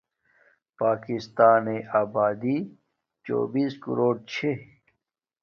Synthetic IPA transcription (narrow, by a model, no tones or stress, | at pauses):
paːkist̪aːneʔaːbaːd̪i | t͡ɕo̰ːbiːskṵɾoːɖ̚t͡ɕʰe